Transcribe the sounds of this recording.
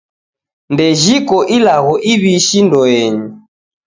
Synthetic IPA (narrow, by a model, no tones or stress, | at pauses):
ndɛʒikɔʔilaɣɔʔiβiʃindɔɛɲi